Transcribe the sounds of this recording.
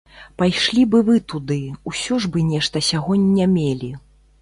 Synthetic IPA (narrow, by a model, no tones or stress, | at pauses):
pajʂlʲibɨvɨt̪ud̪ɨusʲɔʐbɨnʲɛʂt̪ɐsʲaɣɔnʲːamʲelʲi